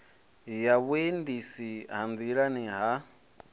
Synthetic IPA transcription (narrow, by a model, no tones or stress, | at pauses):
jaβwendisiɦand͡ziɺaniɦa